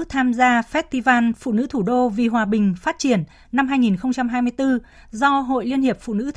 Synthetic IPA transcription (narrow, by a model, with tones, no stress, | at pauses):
t̪ʰaː˧mzaː˧fɛ˦˥t̚t̪i˧vaː˧nfṵ˧˨nɨ̰˧˥t̪ʰu˧˩ɗo˧vi˨˩ɦwaː˨˩ɓï˨˩ŋ̟fa˦˥t̚t͡ɕi˧˩ənː | a˧mɦaː˧jŋi˨˩nxə˧wŋ͡mt͡ɕa˧mɦaː˧jmɨ˧əjt̪ɨ˧ | zɔ˧ɦo̰˧˨jli˧ənhi˨˩əp̚fṵ˧˨nɨ̰˧˥